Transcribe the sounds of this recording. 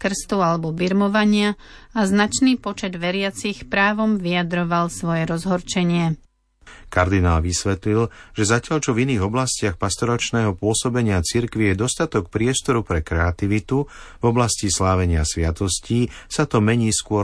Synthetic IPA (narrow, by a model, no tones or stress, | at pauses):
kr̩st̪ualɛbɔbiɾmɔʋaɲɪa | aznat͡ʃniːpɔt͡ʃɛd̪ʋɛɾɪat͡sixpɾaːʋɔmʋijad̪ɾɔʋalsʋɔjɛɾɔzɦɔɾt͡ʃɛɲɪɛ | kaɾd̪inaːlʋisʋɛt̪lilʒ̥ɛzacɪaʎt͡ʃɔviniːɣɔblascɪaxpast̪ɔɾat͡ʃnɛːɦɔpʊɔsɔbɛɲɪat͡siɾkʋijɛd̪ɔst̪at̪ɔk̚pɾɪɛst̪ɔɾupɾɛkɾɛat̪iʋit̪u | vɔblascislaːʋɛɲɪasʋɪat̪ɔsciːsat̪ɔmɛɲiːskʊɔ